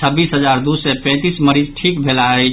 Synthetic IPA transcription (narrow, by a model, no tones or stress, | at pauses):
əbːisɦəd͡ʒaɾd̪usɛpɛ̃t̪isməɾid͡ʒʈʰikbʱelaə